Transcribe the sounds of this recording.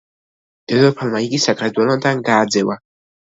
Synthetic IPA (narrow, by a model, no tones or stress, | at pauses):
d̪̥ɛd̪ɔpʰalmaiɡisakʰʼɾɛd̪wɛlɔnd̪anɡaːd̪zɛva